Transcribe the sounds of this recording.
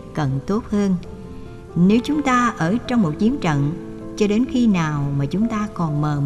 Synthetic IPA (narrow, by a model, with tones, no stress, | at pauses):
kə˨˩nt̪o˦˥t̚həː˧n | ne˨˦wt͡ɕʊ˨˦ŋ͡mt̪aː˧ʔəː˧˩t͡ɕɔ˧wŋ͡mmo˨˩t̚t͡ɕi˨˦ənt͡ɕə̰˧˨n | t͡ɕɔ˧ɗe˨˦nxi˧naː˨˩wmaː˨˩t͡ɕʊ˨˦ŋ͡mt̪aː˧kɔ˨˩nməː˨˩